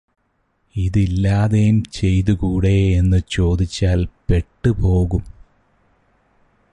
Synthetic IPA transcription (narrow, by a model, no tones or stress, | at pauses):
iðilːaːðejumt͡ɕe̞jt̪uɣuːɽe̞enːɨt͡ɕo̞ːd̪it͡ɕːaːlpe̞ʈːɨpo̞ːɣum